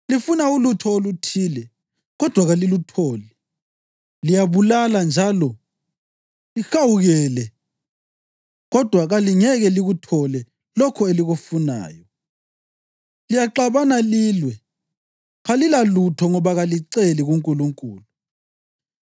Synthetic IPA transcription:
lifunaulutʰɔolutʰiːlɛ | ɣɔd̥ʱwaɣalilutʰɔːlɛ | lijaβulaland͡ʒʱalɔ | lixawuɣɛːlɛ | ɣɔd̥ʱwaɣaliŋɛɣɛliɣutʰɔlɛ | lɔkʰɔeliɣufuna̰ːjɔ | lijaǃaβanaliːlwɛ | ɣalilalutʰɔŋɔβaɣaliǀeliɣuŋkʼuluŋkʼṵːlu

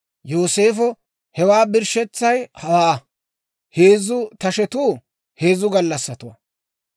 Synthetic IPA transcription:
jo̞ːseːfɔ | hɛwaːbɪɾʃɛt͡sːɐjhɐwaː | heːzʊt̪ɐʃɛt̪uː | he̞ːzʊɡɐlːɐsːɐt̪ʊwɐ̰

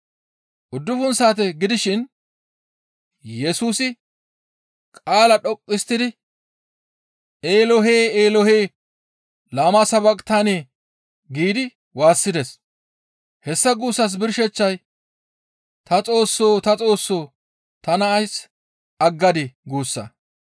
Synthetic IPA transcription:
ʔʊd̪ːʊfʊnsaːt̪ɛɡɪd̪ɪʃɪn | jɛsuːsɪ | kʼaːlɐɗɔkʼːɪst̪ːɪd̪ɪ | eːlɔɦeːeːlɔheː | laːmɐsɐbɐkʼt̪aneː | ɡiːd̪ɪ | waːsːɪd̪ɛs | hɛsːɐɡuːsːɐs̬bɪɾʃɛt͡ʃːɐj | t̪ɐt͡sʼo̞ːsːoːt̪ɐt͡sʼo̞ːsːo̞ː | t̪ɐnɐːjs | ɐɡːɐd̪ɪɡuːsːɐ̰

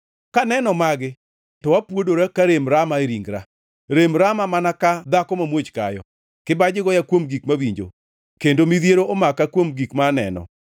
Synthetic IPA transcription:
kanɛnɔmaɡɪ | tɔwapwodoɾakaɾemɾamaeɾiŋɡɾa | ɾemɾamamanakad̪akɔmamwot͡ʃka̰jɔ̰ | kɪbad͡ʒɪɡɔjakwomɡikmawiɲd͡ʒo̰ | kendomiðjeɾoʔomakakwomɡikmanɛ̰nɔ̰

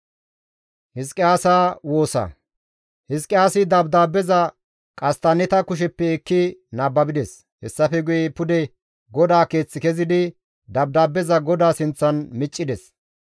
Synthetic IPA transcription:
hɪskʼːɪaːsaːwo̞ːsɐ̰ | hɪskʼːɪaːsɪd̪ɐbd̪aːbːɛzɐ | kʼɐst̪anɛt̪ɐkʊʃ̬ɛpːɛɛkːɪnaːbːɐbɪd̪ɛs | hɛsːɐfɛɡʊjɛpʊd̪ɛ | ɡɔd̪aːke̞ːt͡sːɪkɛzɪd̪ɪ | d̪ɐbd̪aːbːɛzɐɡɔd̪aːsɪnt͡sːɐnmɪt͡ʃʼːɪd̪ɛs

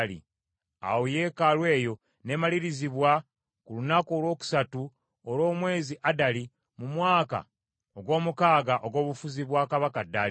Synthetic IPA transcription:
lḭ | a̰woje̞ːkalwe̞ːjo̞ | ne̞maliɾiziβwa | kulunakolwo̞ːku̥satu | olo̞ːmwe̞ːziʔadali | mumwaːka̰ | oɡwo̞ːmukaːɡaʔo̞ɡo̞ːβufuziβwaːkaβakadali

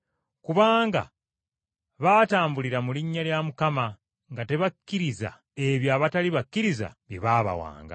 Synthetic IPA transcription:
kuβaːŋɡa̰ | βataːmbuliɾamuliɲːaljamukama | ŋɡate̞βakːiɾiza̰ | e̞βjaːβataliβakːiɾiza̰βjḛβaβa̰wa̰ːŋɡa̰

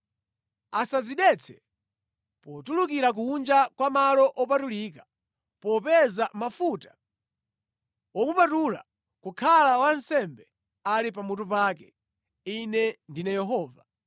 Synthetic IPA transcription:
asaziɗɛt͡sʰɛ̥ | pɔtulukiɾak̬uːnd͡ʒakwamalɔʔɔpatulikḁ | pɔpɛzamafutḁ | ɔmupatula̰ | kukʰalawansɛmbɛ | alipamutup̬akɛ̥ | inɛndinɛjɛɦɔːva

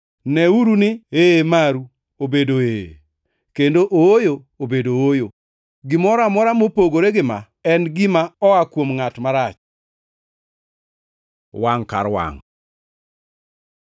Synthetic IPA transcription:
nɛuɾunɪemaɾu | obedoḛ | kendoʔoojo | obedoojo | ɡɪmɔɾamɔɾamopoɡoɾeɡɪma̰ | ɛnɡɪmaɔakwomŋatmaɾat͡ʃ | waŋka̰ɾwa̰ŋ

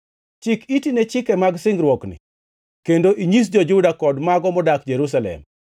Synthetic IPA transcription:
t͡ʃɪkitinɛt͡ʃɪkɛmaɡsɪŋɡɾwɔknɪ̰ | kendoʔiɲis̬d͡ʒɔd͡ʒudakɔdmaɡɔmɔdak̚d͡ʒeɾus̬alɛ̰m

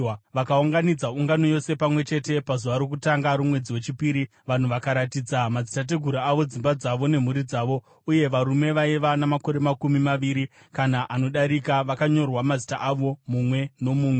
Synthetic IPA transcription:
ʋakauŋɡanid͡zauŋɡano̞jo̞se̞pamwe̞t͡ʃe̞te̞pazuʋaɾok̬utaŋɡaɾumwe̞d͡ziwe̞t͡ʃipiːɾi | ʋan̤uʋakaɾatid͡zamazitat̬e̞ɡʱuɾaaʋo̞d͡zimbad͡zaʋo̞ne̞m̤uɾid͡zaʋo̞ | uje̞ʋaɾume̞ʋaiʋanamakoɾe̞makumimaʋiɾi | kanaʔano̞ɗaɾikaʋakaɲo̞rwamazitaʔaʋo̞mumwe̞no̞muːmwe

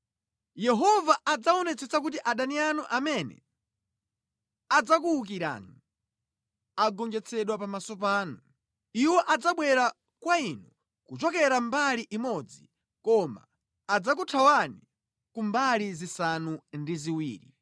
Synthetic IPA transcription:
jɛɦɔvaʔad͡zaɔnɛt͡sɛt͡sak̬ut̬iʔaɗanianuʔamɛnɛ̰ | ad͡zakuuk̬iɾa̰ːni | aɡɔŋd͡ʒɛt͡sʰɛɗwapamasɔp̬aːnu | iwɔʔad͡zaɓwɛɾa | kwainu | kut͡ʃɔkɛɾambaliʔimɔd͡zḭ | kɔma̰ː | d͡zakutʰawani | kumbalizisanundiziwiːɾḭ

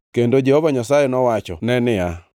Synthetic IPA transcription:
kendod͡ʒɛhovaɲasajenɔwat͡ʃɔ̰nɛnɪa

